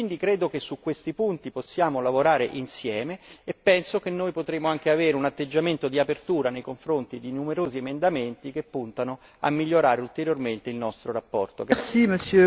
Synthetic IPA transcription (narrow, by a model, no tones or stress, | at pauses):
wind̪ikɾeːd̪okesːukːwest̪ipunt̪iposːjaːmolavoɾaːɾeʔinsjɛːmeːpːɛnsokenːoːjpot̪ɾeːmoaŋk̟eaveːɾeunat̪ːed͡ʒːament̪od̪iapert̪uːɾanejkoɱfɾont̪id̪inumeɾoːziemend̪ament̪ikepːunt̪ano | a̰mːiʎːoɾaːɾeult̪eɾjorment̪eilnɔst̪ɾoɾapːɔrt̪okɛsiməsjø